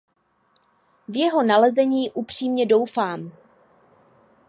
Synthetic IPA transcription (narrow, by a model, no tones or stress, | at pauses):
vjɛɦo̞nalɛzɛɲiːʔupr̝̥iːmɲɛdo̞wfaːm